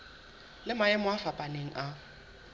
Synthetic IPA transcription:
lɪmaɛmʊafapʼaneŋ̩ʔa

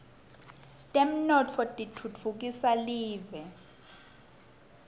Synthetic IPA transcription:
tʼem̩nɔt͡fʰɔtʼitʰut͡fʰuk̬isaliːvɛ

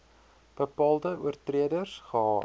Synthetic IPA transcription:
b̥əpɑːlˠdəʔuərtriədərsχəɦɑː

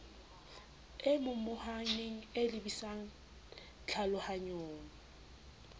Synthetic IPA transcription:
emʊmʊhaneŋ̩elɪbisaŋ̩ | t͡ɬʰalʊhaɲoːŋɔ

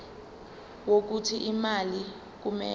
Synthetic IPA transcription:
wok̬utʰiʔimali | k̬umɛ

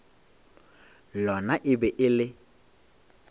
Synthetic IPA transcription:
lɔnaʔɪbɛʔɪlɪ

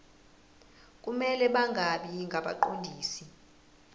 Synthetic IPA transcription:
kʼumɛlɛɓaŋɡʱaɓiŋɡʱaɓa̰ǃondʱiːsi

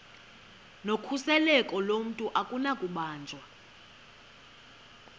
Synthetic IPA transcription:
nokʰusɛlɛkʼɔlom̩tʼuʔakʼunakʼuɓaːnd͡ʒʱwa

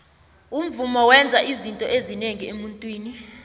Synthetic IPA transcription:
um̩vumɔwɛnd͡zʱaʔizintʼɔʔezineŋiemuntʼwiːni

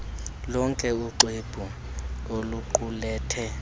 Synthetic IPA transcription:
lɔŋkʼɛuǃeb̥ʼʱu | oluǃulɛːtʰɛ

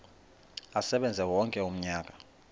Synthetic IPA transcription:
asɛɓɛnd͡zʱɛwɔŋkʼɛum̩ɲaːk̬ʼḁ

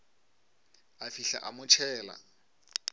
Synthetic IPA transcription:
afiɬa̰ʔamʊt͡ʃʰɛːla̰

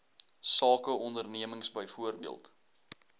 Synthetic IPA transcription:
sɑːkəʔɔndərniəməŋsbəjfuərbiəlˠt

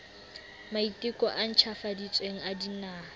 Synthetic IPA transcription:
maitʼɪkʼɔʔan̩t͡ʃʰafadit͡sʼweŋ̩adinaː

